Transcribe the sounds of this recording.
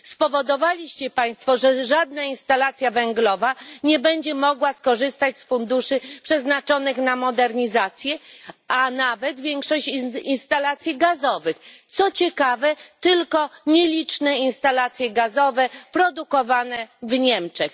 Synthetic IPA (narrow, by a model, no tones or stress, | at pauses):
spɔvɔd̪ɔvalʲiɕt͡ɕɛpaj̃st̪fɔʐɛʐad̪̚nainst̪alat̪sʲjavɛŋɡlɔvaɲɛbɛɲd͡ʑɛmɔɡwaskɔʐɘst̪at͡ɕsfund̪uʂɘpʂɛznat͡ʂɔnɘxnamɔd̪ɛɾɲizat̪sʲjɛanavɛt̪vʲjɛŋkʂɔɕt͡ɕinst̪alat̪sʲjiɡazɔvɘxt̪sɔt͡ɕɛkavɛt̪ɘlkɔɲelʲit͡ʂnɛinst̪alat̪sʲjɛɡazɔvɛpɾɔd̪ukɔvanɛvɲɛmt͡ʂɛx